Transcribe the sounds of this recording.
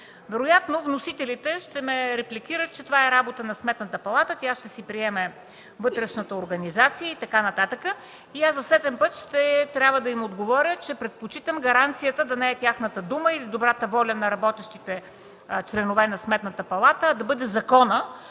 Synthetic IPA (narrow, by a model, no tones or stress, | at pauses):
vɛɾojat̪novnosit̪ɛlit̪ɛʃt̪ɛmɛɾɛplʲikʲiɾət̪̚t͡ʃɛt̪ovaɛɾabot̪ənɐsmɛt̪nət̪əpɐlˠat̪ət̪ʲjaʃt̪ɛsipɾiɛmɛ | vɤt̪ɾɛʃnət̪əoɾɡɐnizat̪sijəit̪ɐkanɐt̪at̪əkə | iazɐsɛd̪ɛmpɤt̪ʃt̪ɛt̪ɾʲabvəd̪ɐimod̪ɡovɔɾʲət͡ʃɛpɾɛt̪̚pot͡ʃit̪əmɡɐɾant̪sijət̪əd̪ɐnɐɛt̪ʲjaxnət̪əd̪uməilid̪obɾat̪əvɔlʲənɐɾɐbɔt̪ɛʃt̪it̪ɛ | t͡ʃlɛnovɛnɐsmɛt̪nət̪əpɐlˠat̪əːd̪ɐbɤd̪ɛzɐkɔnə